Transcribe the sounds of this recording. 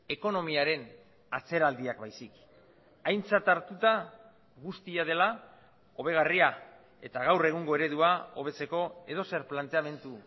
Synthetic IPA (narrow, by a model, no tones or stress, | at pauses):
e̞ko̞no̞miaɾe̞n | at͡se̞ɾald̪iakbajsik | ajnt͡sat̪aɾt̪ut̪a | ɣust̪iað̞e̞la | o̞β̞e̞ɣ̞aria | e̞t̪aɣ̞awre̞ɣ̞uŋɡo̞e̞ɾe̞ðuao̞βe̞t͡se̞ko̞e̞ð̞o̞se̞ɾplant̪e̞ame̞nt̪u